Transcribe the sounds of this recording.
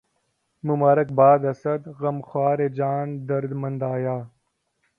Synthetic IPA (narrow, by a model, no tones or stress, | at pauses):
mumaːɾɐk̚baːd̪ɐsɐd̪ɣɐmxwaːɾed͡ʑaːnd̪ɐɾd̪mɐnd̪aːjaː